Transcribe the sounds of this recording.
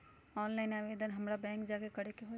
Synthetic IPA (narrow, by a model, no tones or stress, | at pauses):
ɔːnlaɪnaʋed̪ənɦəmɾabɛ̃ːŋkd͡ʒakekəɾekeɦo